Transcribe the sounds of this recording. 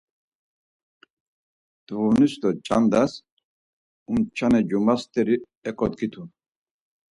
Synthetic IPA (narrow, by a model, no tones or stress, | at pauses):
d̪̥vunisd̪ɔt͡ʃʼa̰nd̪as | umt͡ʃʰanɛd͡ʒumast̪ʰʼɛɾi | ɛkʼɔd̪ɡit̪ʰun